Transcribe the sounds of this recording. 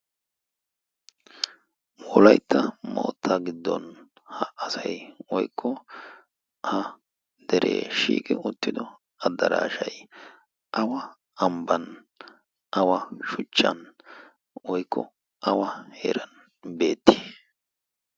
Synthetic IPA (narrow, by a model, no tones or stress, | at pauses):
wɔlɐjt̪ʰːɐmo̰ːt̪ʰːɐɡɪd̪ːɔ̰n | hɐʔɐsɐjwɔjkʰːɔ | hɐ | d̪̥ɛɾʔeːʃḭːkʼɪʊt̪ːɪd̪ɔ | ɐd̪ːɐɾaːʃɐj | ʔɐwɐ | ɐmbɐn | ʔɐwɐʃʊt͡ʃːɐ̰n | wɔjkʰːɔ | ʔɐwɐhḛːɾɐn | be̞ːt̪ːɪ̥